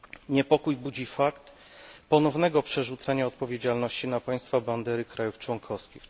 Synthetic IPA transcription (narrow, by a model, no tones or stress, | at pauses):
ɲɛpɔkujbud͡ʑifakt̪ | pɔnɔvnɛɡɔpʂɛʐut̪saɲaɔt̪̚pɔvʲjed͡ʑalnɔɕt͡ɕinapaj̃st̪faband̪ɛɾɘkɾajuft͡ʂwɔŋkʰɔfskʲix